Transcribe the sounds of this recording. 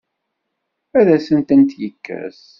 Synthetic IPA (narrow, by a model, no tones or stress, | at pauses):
æðæsənt̪ənt̪jəkːæ̰s